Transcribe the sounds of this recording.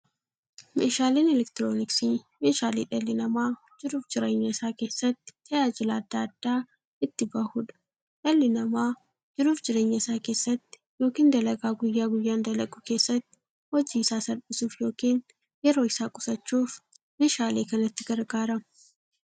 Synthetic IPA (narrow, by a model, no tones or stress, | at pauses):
mḛːʃaːleːnɛlɛkt̪ɪɾoːnɪksimeːʃaːlḭːᶑɐlːɪnɐmaː | d͡ʒɪɾuːfd͡ʒɪɾeːɲːɐɪsaːke̞ːsːɐt̪ːɪ̥t̪ɐjaːd͡ʒɪlaːd̪ːaːɐd̪̥ːaː | ɪt̪ːɪbɐhuᶑɐ̥ | ᶑɐlːɪnɐmaː | d͡ʒɪɾuːfd͡ʒɪɾeːɲːɐɪsaːke̞ːsːɐt̪ːɪ̥jo̞ːkiːnd̪ɐlɐɡaːɡʊjːaːɡʊjːaːnd̪ɐlɐɡʼuːke̞ːsːɐt̪ːɪ̥ | hɔd͡ʒiːɪsaːsɐɾbɪsuːfjoːkiːn | jɛɾo̞ːɪsaːkʼʊsɐt͡ʃːuːf | meːʃaːleːkɐnɐt̪ːɪɡɐɾɡaːɾɐ